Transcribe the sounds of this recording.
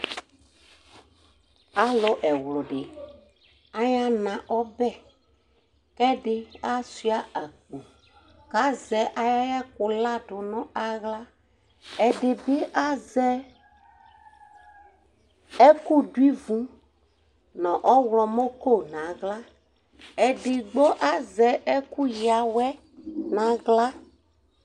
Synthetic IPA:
a˨˦lʊ˦ʔɛ˨wlʊ˨ɖɪ˨ | a˦ɲã˦nã˨ʔɔ˦bɛ˦ | kɛ˦ɖɪ˦a˦su˦a˦a˨k͡pũ˨ | ka˦zɛ˨ʔa˨ja˦jɛ˦k̚ʊ˨la˦ɖʊ˨nɔ̃˦a˨ɣla˦ | ɛ˨ɖe˨be˦ʔa˦zɛ˦ | ɛ˦ku˦ɖu˦i˦vũ˨˦ | nɔ̃˨ʔɔ˦wlɔ˨mõ˦ko˦˨nã˨ɣla˦ | ɛ˨ɖɪ˨ɡ͡bo˦ʔa˦zɛ˨ʔɛ˦ku˦ja˨wɛ˦ | nã˨ɣla˦

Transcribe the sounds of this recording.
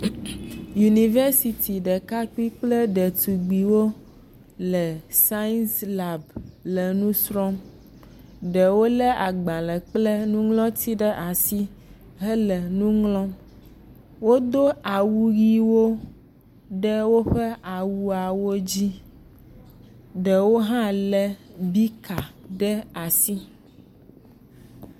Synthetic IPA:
ju˨ni˨ve˦si˨t̪ʰi˨ɖɛ˨ka˦k͡pi˦k͡plɛ˦ɖɛ˨t̪u˨ɡ͡bi˨wo˦ | lɛ˨sa˦nsla˨blɛ˨nũ˦sɾɔ˦m | ɖɛ˨wo˦lɛ˦ʔa˨ɡ͡ba˨lɛ˨k͡plɛ˦nũ˦ŋlɔ̃˦t̪ʰi˦ɖɛ˦ʔa˨si˦ | ɦɛ˦lɛ˨nũ˦ŋlɔ̃˦m | wo˦d̪o˦a˨wu˦ɣi˦wo˦ | ɖɛ˦wo˦ɸɛ˦a˨wu˦a˨wo˦d͡ʑi˦ | ɖɛ˨wo˦ɦã˦lɛ˦bi˦ka˨ɖɛ˦a˨si˦

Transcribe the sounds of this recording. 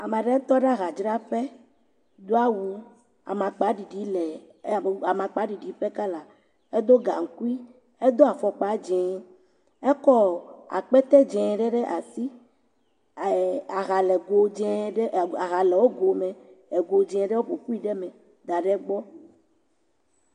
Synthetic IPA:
a˨mã˨ɖɛ˦t̪ɔ˦ɖa˦ɣa˨d͡ʒɾa˦ɸe˦ | d̪o˦a˦wu˦ | a̰˨mã˨k͡pa˨˦ɖi˨ɖi˨˦lɛ˨˦˨ | a˨mã˨k͡pa˨˦ɖi˨ɖi˨˦ɸɛ˦ka˦la˨ | e˦d̪o˦ɡa̰˨ŋ̩˨ku˦i˦ | e˦d̪o˦a˨fɔ˨k͡pa˨˦d͡ʒɛ̃˨ | e˦kɔ˦a̰˨k͡pɛ˦t̪ɛ˦d͡ʒɛ̃˨ɖɛ˦ɖɛ˦ʔa˨si˦ | a˨ɣa˨lɛ˨ɡo˨d͡ʒɛ˦˨a˨ɣa˨lɛ˨wo˦ɡo˨mɛ̃˨e˨ɡo˨d͡ʒɛ̃˨ɛ̃˨ɖɛ˦wo˦ɸo˨ku˦i˦ɖɛ˦mɛ̃˨ | d̪a˨ɖɛ˦ɡ͡bɔ˦

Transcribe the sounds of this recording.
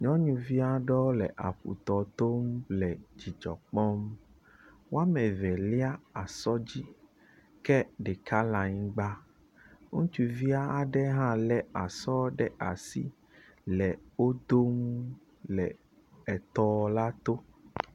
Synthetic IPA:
ɲɔ̃˦ɲũ˨vi˦a˦ɖɔ˦lɛ˨ʔa˨ɸṵ˨t̪ɔ˨t̪o˦mlɛ˨d͡ʑi˨d͡ʒɔ̰˨k͡pɔ˦m | wo˦a˦mɛ˨vɛ˨li˦a˦a˨sɔ˦d͡ʑi˦ | kɛ˦ɖɛ˨kʰa˦lã˨ɲĩ˦ɡ͡ba˦ | ŋṵ̃˦t͡ʃu˨vi˦a˦a˨ɖɛ˦ɦã˦lɛ˦a˨sɔ˦ɖɛ˦ʔa˨sḭ˦ | lɛ˨wo˦d̪o˦m | lɛ˨ | ɛ˨t̪ɔ˦˨la˦t̪o˦

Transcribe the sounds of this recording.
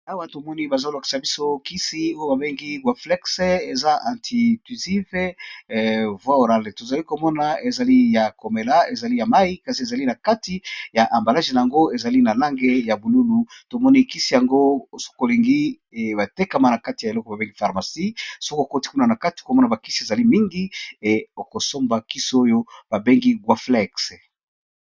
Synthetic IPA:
a˦wa˦to˨mɔ˦ni˦ba˨za˦la˨ki̥˨sa˨bi˦so˦ki˦si˦o˦jo˦ba˨be˦ŋɡi˦ɡwa˨flɛ˦kse˦e˨za˦ʔa˨ntʰi˨ty˨zi˦ve˦ | vwa˦o˨ɾa˦le˨to˨za˨li˦ko˨mɔ˦na˨e˨za˨li˦ja˨ko˨me˨la˦e˨za˨li˦ja˨ma˦i˦ka˨si˨e˨za˨li˦na˨ka˦ti˦ja˨ʔa˨mba˨la˦ʒi˨na˨ja˨ŋɡo˦e˨za˨li˦na˨la˦ŋɡe˦ja˨bu˨lu˦lu˨to˨mɔ˦ni˦˨ki˦si˦˨ja˨ŋɡo˦˨so̥˦ko˨li˨ŋɡi˦˨ | ba˨te˦ka˨ma˦na˨ka˦ti˨ja˨e˨lɔ˦kɔ˨ba˨be˦ŋɡi˦fa˨ʁma˨si˦so˦kko˦ti̥˦ku˦na˨na˨ka˦ti̥˨ko˨mɔ˦na˨ba˨ki˦si˦e˨za˨li˦mi˦ŋɡi˦e˨o˨ko˨so˦mba˨ki˦so˦jo˦b̥a˨be˦ŋɡi˦ɡwa˦flɛ˦˨ks

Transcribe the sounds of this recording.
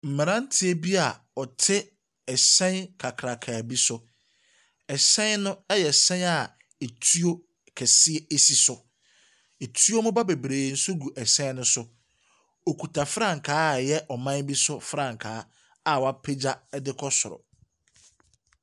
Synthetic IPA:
m̩˨mɪ̃˨ɾã˦n̩˦tʰɪ˦e˦bi˦a˨ | ɔ˨tʰɪ˦ | ɛ˨sɛ̃˦nkʰa˨kʰɾa˨kʰaː˨bi˦sʊ˦ | ɛ˨sɛ̃˦nnʊ̃˦jɛ˨sɛ̃˦na˨ | e˨tʰu˦o˦ | kʰɛ˨sɪ˦e˦e˦si˨sʊ˨ | e˨tʰu˦o˦mʊ̃˦ba˦be˨bɾeː˨n̩˦sʊ˦ɡu˨ʔɛ˨sɛ̃˦nʊ̃˦sʊ˦ | o˨kʰu˨tʰa˨fɾã˦˨ŋ˨kʰaː˦˨jɛ˦ʔɔ˨mã˦nbi˦sʊ˦fɾã˦˨ŋ˨kʰaː˨˦ | a˨wɔ˨a˦pʰe˦d͡ʑa˦ɛ˦dɪ˦kʰɔ˦sʊ˨ɾɔ̰˨

